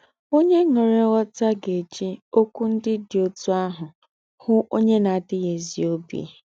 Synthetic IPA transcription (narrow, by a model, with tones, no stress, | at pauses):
o˦ɲe˦ŋe˨ɾe˦wɔ˦ta˦ɡe˨d͡ʒi˦o˦kʷu˦n̩˦dɪ˦dɪ˨o˦tu˦a˦ɦʊ˨ | hʊ˦ʔo˦ɲe˦na˨dɪ˦ɣe˨zḭ˨o˦bḭ˨